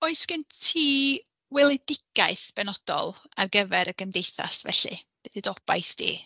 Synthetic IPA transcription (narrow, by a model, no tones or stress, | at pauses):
oɨsɡ̥əntʰiː | wɛlˠɛdɪɡ̥aɨθb̥ɛnɔd̥ɔ̰lˠarɡəvɛɾəɡəmdejθa̰svɛ̰ɬɨ̰b̥ɨθidɔb̥a̰jθd̥ḭː